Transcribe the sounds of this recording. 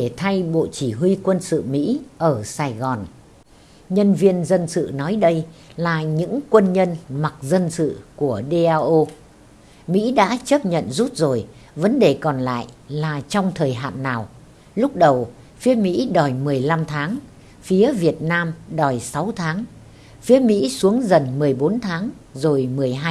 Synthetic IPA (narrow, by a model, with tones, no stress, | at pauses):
e˧˩t̪ʰa˧jɓo̰˧˨t͡ɕi˧˩ɦwi˧kwə˧nsɨ̰˧˨mḭ˧˥ʔəː˧˩saː˧jɣɔ˨˩n | ɲə˧nvi˧ənzə˧nsɨ̰˧˨nɔ˨˦jɗə˧jlaː˨˩ɲɨ̰˧˥ŋkwə˧nɲə˧nma˨˩k̚zə˧nsɨ̰˧˨ku˧˩əɗe˧ʔaː˧ʔo˧ | mḭ˧˥ɗa̰ː˧˥t͡ɕə˦˥p̚ɲə̰˧˨nzu˦˥t̚zo˨˩j | və˨˦nɗe˨˩kɔ˨˩nla̰ː˧˨jlaː˨˩t͡ɕɔ˧wŋ͡mt̪ʰəː˨˩jɦa̰ː˧˨nːaː˨˩w | lʊ˦˥k͡p̚ɗə˨˩w | fi˨˦əmḭ˧˥ɗɔ˨˩jmɨ˨˩əjla˧mt̪ʰaː˨˦ŋ | fi˨˦əvi˨˩ət̚naː˧mɗɔ˨˩jsa˨˦wt̪ʰaː˨˦ŋ | fi˨˦əmḭ˧˥su˨˦əŋzə˨˩nmɨ˨˩əjɓo˨˦nt̪ʰaː˨˦ŋ | zo˨˩jmɨ˨˩əjɦaː˧